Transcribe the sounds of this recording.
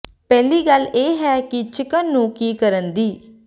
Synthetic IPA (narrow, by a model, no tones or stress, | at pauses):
pɛːliːɡəleːɦɛːkɪt͡ʃɪkənːũːkiːkəɾənd̪iː